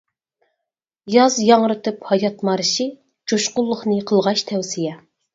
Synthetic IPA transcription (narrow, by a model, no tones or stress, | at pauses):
jɑzjɑŋɾɨt̪ɨphɑjɑt̪mɑɾɨʃi | d͡ʒoʃqʊlˠːʊχnɨqʰəlˠʁɑʃt̪ʰɛwsijɛ